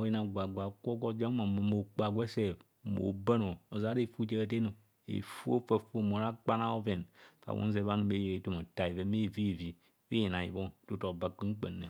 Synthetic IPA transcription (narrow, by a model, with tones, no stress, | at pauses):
o˨˦ji˦na˨ɡʷa˨ɡʷa˨ko˦ɡo˦d͡ʒa˦ma˨m˨mo˨k͡pa˨ɡʷe˦se˦˨b | mo̰˨ba˦no˨o˨za˨˦ɾe˦˨fu˦t͡ʃe˦˨t̬e˦no˨ | ḛ˨fu˦o˦fa˦fo˦m˨o˨ɾa˦k͡pa˦na˦o˦ve˨nfa̰˨wo̰˦ze˨βa˦n˨me˦jɾe˨˦to˦mo˨ta˨i˨ve˨me˦˨vi˦˨vi˨˦ | wi˦je˨na˨ḭ˨bo˦tu˦to˨ba˨k͡pi˦ŋ͡m̩˦k͡pḛ˨nːe˨